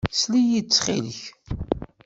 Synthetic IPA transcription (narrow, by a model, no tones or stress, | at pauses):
slijit͡sːχḭləç